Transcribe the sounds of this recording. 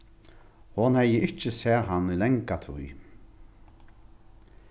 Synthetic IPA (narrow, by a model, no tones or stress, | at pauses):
hɔnhɛjəɪt͡ʃɪsɛːɦanːʏlɛŋkat̪ʰṵj